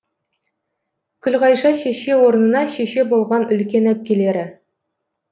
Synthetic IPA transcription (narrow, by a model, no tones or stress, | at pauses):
kʲʰʏlʁɑjʃɑʃeʃe̞wo̞ɾənənɑʃeʃe̞bolˠʁɑnɵlkʲe̞næp̚kʲele̞ɾɪ